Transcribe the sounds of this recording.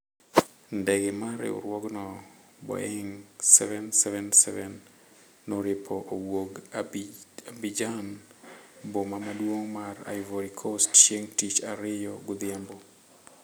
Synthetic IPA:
ndɛɡɪmaɾɛ̰ʊ̰ɾwɔɡnɔ | bɔ̰ɛŋsɛvɛnsɛvɛnsɛvɛnː | oɾɪpʰɔʔowoɡ | abid͡ʒan | bomamadwoŋmaɾa̰ɪvoɾikʰostt͡ʃeŋtit͡ʃaɾɪjɔɡʊd̪ɪambɔ

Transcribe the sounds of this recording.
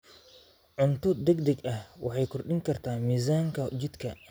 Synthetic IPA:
ʕʊnt̪ʰʊd̪ɛɡd̪ɐɡɐhwɑħɑjkʰʊrɖɪŋkʰɐrt̪ʰaːmiːs̬aːŋkʰɐt͡ʃɪd̪kʰɐ

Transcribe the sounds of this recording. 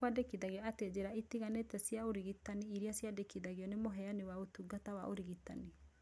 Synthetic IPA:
wadekiðaɣjɔated͡ʑeɾaitiɣanetɛsjaoɾiɣitaniiɾiasjadekiðaɣjɔnemoɦɛanewaotuɡatawa̰ʔo̰ɾiɣita̰ni

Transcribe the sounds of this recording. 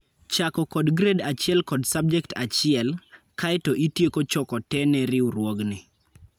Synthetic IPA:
t͡ʃakɔkɔdɡɾedat͡ʃɪɛlkɔdsab̚d͡ʒɛktʰat͡ʃɪɛl | kajtɔʔitjekot͡ʃɔkɔtɛnɛɾɪuɾwoɡnɪ

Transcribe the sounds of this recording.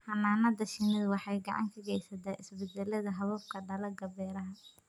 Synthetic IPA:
hɐnːaːnɐd̪ɐʃɪnɪðwɑħɑjɡɑʕɑ̰ŋkʰɐɡɛjsɐt̪ʰaːʔɪsbɛd̪ɛlɐðɐɦɐβɔbkʰɐɖɐlɐɡɐbɛːɾɐɦɐ

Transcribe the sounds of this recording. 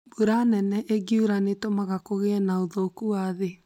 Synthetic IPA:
buɾanɛnɛʔeɡiuɾanetomaɣakoɣeɛnaoðɔokuaðe

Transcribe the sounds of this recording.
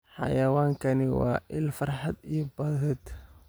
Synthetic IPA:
ħɑ̰jɐwaːŋkʰɐnɪwɑ̰ːʔɪlfɐrħɑd̪ijɔbɐðɛd̪

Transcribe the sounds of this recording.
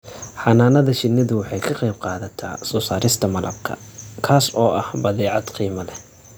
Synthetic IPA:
ħɑnaːnɐðɐʃɪnɐðʊwɑħɑjkʰɐqejb̚qɑːðɐt̪ʰa̰ːsɔːsaːɾʔɪst̪ʰɐmɐlʔɐ̰b̚kʰɐ̰kʰaːsɔːʔɐhbɐðɛːʕɑd̪̥qiːmɐlɛ

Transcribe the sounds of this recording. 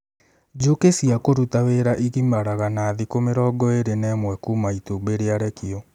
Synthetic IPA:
d͡ʒokesiakoɾutaweɾaʔiɣimaɾaɣanaːðikomeɾɔːɡɔeɾenɛmwɛkuːmaitubeɾeaɾɛkiɔ

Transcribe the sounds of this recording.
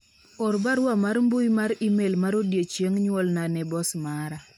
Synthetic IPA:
ɔɾbaɾwamaɾmbujmaɾimelmaɾodjet͡ʃjeŋɲwɔlnanɛbɔsmaɾa

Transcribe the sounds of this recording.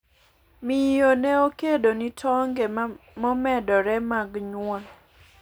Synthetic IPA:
mijonɛokedonitʰɔŋɡemɔmɛdɔɾɛmaɡɲwɔ

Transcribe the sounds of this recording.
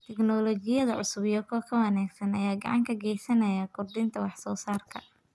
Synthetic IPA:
t̪ʰɛɡnɔlɔɡɪjɐðɐʕʊ̰sʊβɪjɔkʰɔːkʰɐwɐnaːɡsɐnɐjaːɡɑ̰ʕɑ̰ŋkʰɐɡɛjsɐnɐjɐkʰʊrd̪ɪnt̪ʰɐwɑħsɔːsaːrkʰɐ̰

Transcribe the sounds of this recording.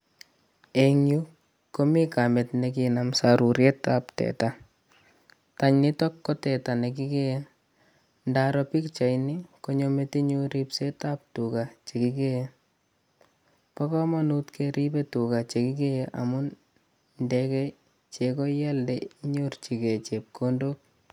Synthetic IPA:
eŋju | komikametnek̬inamsaɾuɾjetaptɛ̰ta | taɲnitɔkːɔtɛtanek̬ikeje | ndaɾɔpikt͡ʃajnikoɲometiɲuɾipsetap̚tukat͡ʃekikeje | pɔkɔmanutkeɾipetukat͡ʃekikejeʔa̰mʊn | ndɛkɛ | t͡ʃekɔjɛldeɲurt͡ʃiket͡ʃep̚kʰondok̚

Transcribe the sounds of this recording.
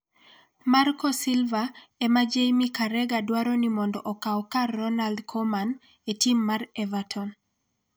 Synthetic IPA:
markɔsilvaɛmad͡ʒejmikaɾɛɡadwaɾɔnimɔndɔʔɔkaɔkaːɔnaldkʰɔman | etimːarɛvatʰɔn

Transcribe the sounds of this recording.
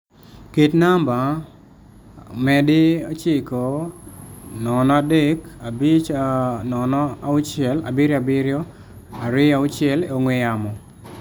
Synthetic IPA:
ketnamba | mɛdɪot͡ʃɪko | nɔnɔadekabit͡ʃnɔnɔaʊt͡ʃɛla̰bɪɾjabɪɾjo | aɾɪaʊt͡ʃɪɛleoŋweamɔ

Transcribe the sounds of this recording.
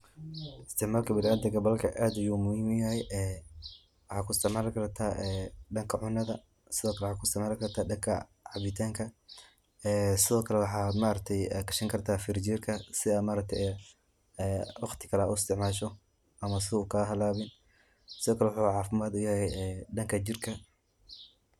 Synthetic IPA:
ɪst̪ʰɪʕmaːlkʰɐbɪlaːd̪ɐɡɐbɐlkʰɐʔaːd̪ɐjuːmʊhiːmʊjɐhɛjʔɛː | wɑħɑːkʰʊɪst̪ɪʕmaːlkʰɐrt̪ʰaːʔɛːɖɐŋkʰɐʕʊnːɐðɐ | sɪðɔːkʰɐlɛwħaːkʰʊɪst̪ɪʕmaːlɪkʰɐrt̪ʰaːdɐŋkʰɐ̰ | ʕɑβɪt̪ʰaːŋkʰɐ | ɛːsɪðɔːkʰɐlɛwɑħɑːmaːɾɐk̚t̪ʰɛjɛkɐʃɐŋkʰɐrt̪ʰaːfɪrd͡ʒiːrkʰɐsɪðɐmaːɾɐk̚t̪ʰɛʔɛ | ɛːwɑχt̪ʰɪ̥kʰɐlɛuɪst̪ʰɪʕmaːʃ̬ɔ | ʔɐmɐs̬ɪðuːkʰaɦɐlaːβɪn | sɪðɔːkʰɐlɛwħuʕɑːfɪmaːd̪ʊjɐhɛjɛɖɐŋkʰɐt͡ʃɪrkʰɐ

